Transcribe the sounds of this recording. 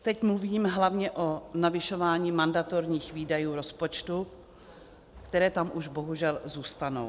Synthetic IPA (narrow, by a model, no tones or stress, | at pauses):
t̪ɛcmluviːmɦlavɲɛʔonavɪʃovaːɲiːmandat̪oɾɲiːxviːdajuːɾo̞spot͡ʃt̪u | kt̪ɛɾɛːt̪amʔuʒbo̞ɦuʒɛlzuːst̪ano̰w